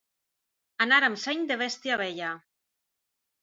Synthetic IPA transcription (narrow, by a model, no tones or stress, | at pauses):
anaɾamseɲd̪eβ̞est̪iaβ̞eʎa